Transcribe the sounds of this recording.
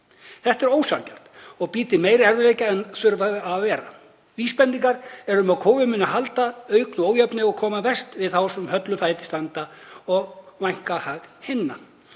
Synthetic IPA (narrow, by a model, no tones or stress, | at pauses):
θɛht̪ɛɾoːwsancɛr̥t̪ɔɣpiːt̪ɪmeːjɾɛɾvɪleːjcaɛnθʏɾvaðaðvɛːɾa | viːspɛnt̪iŋkaɾɛɾʏmaðkʰoːvʏmʏnːaɦalt̪aœːɥknʏoːwjœpnɪɔɣkʰɔːmavɛst̪vɪðθawsɛmhœt̪lʏfaːjt̪ɪ̥st̪ant̪aɔɣvajŋ̥kahaɣhɪnːa